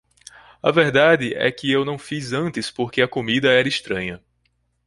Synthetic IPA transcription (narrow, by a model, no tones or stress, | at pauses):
ɐ̰vɛɾd̪ad̪ɪʔɛ̰kɪewnɐ̃w̃fizɐ̃nt̪ɪspoɾkeɐkomid̪ɐɛɾɐiʃt̪ɾɐ̃ɲɐ